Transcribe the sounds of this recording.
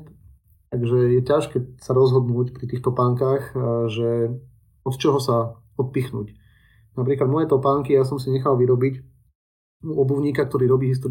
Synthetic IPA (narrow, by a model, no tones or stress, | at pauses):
t̪ | t̪aɡʒɛjɛcaʃkɛːsaɾɔzɦɔd̪nuːcpɾit̪iːxt̪ɔpaːŋkaːxʒɛ | ɔt̪t͡ʃɔɦɔsa | ɔt̪̚pixnṵːc | nap̬ɾiːklad̪mɔjɛt̪ɔpaŋkijas̬ɔmsiɲɛxalʋiɾɔbic | uɔbuʊɲiːkak̚t̪ɔɾiːɾɔbiːɦist̪ɔɾ